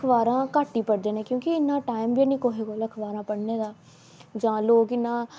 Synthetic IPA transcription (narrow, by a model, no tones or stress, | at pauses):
kʰʋaːɾãːkaːʈːiːpəɽd̪eːnẽːkjõːkɪɪnːãːʈaːɪmbinĩːkoːɦeːɡoːləkʰʋaːɾãːpəɽneːd̪aː | d͡ʒãːloːɡɪnːãː